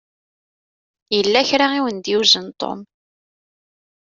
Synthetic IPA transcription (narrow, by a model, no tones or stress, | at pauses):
jəlːæçɾaiwənd̪juzənt̪ˤʰːo̰m